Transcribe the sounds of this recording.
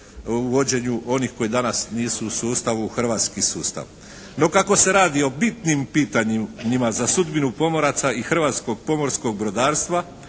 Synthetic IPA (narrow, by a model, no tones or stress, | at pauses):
uʋo̞d͡ʑe̞ɲuʔo̞nihxko̞jid̪anasniːsuusuːst̪aʋuːxr̩ʋaːt̪skisuːst̪a̰ʋ | no̞kako̞se̞ɾaːd̪io̞bit̪nimpiːt̪aɲɲimazasud̪binupo̞mo̞ɾat̪saixr̩ʋaːt̪sko̞ɡpo̞mo̞ɾsko̞ɡ̚bɾo̞d̪aːɾst̪ʋa